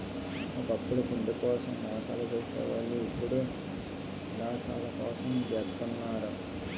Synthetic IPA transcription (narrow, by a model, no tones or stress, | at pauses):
okɐpːuɽuk̪uɳɖ̪ukɔːsɐmːɔːsa̰ːlut͡ʃeːsɛ̰ːʋɐɭːuipːuɽu | d̪aːsa̰ːlɐkɔːsɐmʋɛːt̪ːunːaːɾɐ